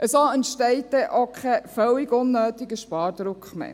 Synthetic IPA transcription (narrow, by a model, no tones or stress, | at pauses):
ʔəsoəntʃtɛɪt̚ːɛʔokʰχɛfœwɪɡʊnːøːt̪ɪɡəʃpɑːɾd̪̥ɾʊkχmɛ̰